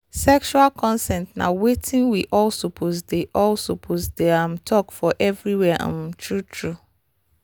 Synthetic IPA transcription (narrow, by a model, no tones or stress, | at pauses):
sɛkʃualkʰɔ̃nsɛ̃ntnã̰wetʰĩnwiʔɔlsopʰosdeʔɔlsopʰozdeãmtʰɔkfɔʔɛvɹiwɛʔã̰mtʰɹutʰɹu